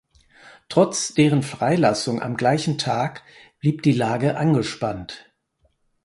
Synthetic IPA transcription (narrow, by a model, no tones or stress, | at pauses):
tʁ̥ɔt͡sd̥eːʁ̞ənfʁ̥aɪlasʊŋʔa̰mɡlaɪçn̩tʰaːk | b̥liːp̚d̥iːlaːɡəʔanɡəʃpant